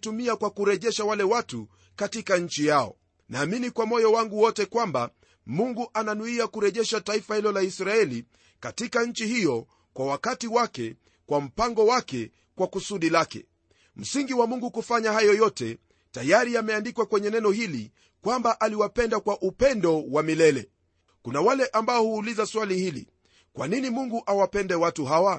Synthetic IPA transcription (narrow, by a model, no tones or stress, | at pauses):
tumiakwakuɾɛʄɛʃawalɛwatu | katikaɲ̩t͡ʃijaɔ̰ | naːminikwamɔjɔwaŋɡuwɔtɛkwamba̰ | muŋɡuʔananuiakuɾɛʄɛʃataifahilɔlaisɾaɛli | katikaɲ̩t͡ʃihijɔ | kwawakatiwakɛ | kwam̩paŋɡɔwakɛ | kwakusuɗilakɛ̰ | m̩siŋɡiwamuŋɡukufaɲaɦajɔjɔtɛ | tajaɾiamɛandikwakwɛɲɛnɛnɔhilḭ | kwambaʔaliwapɛndakwaʔupɛndɔwamilɛlɛ | kunawalɛʔambaɔhuːlizaswalihilḭ | kwa̰ninimuŋɡuʔawapɛndɛwatuɦawa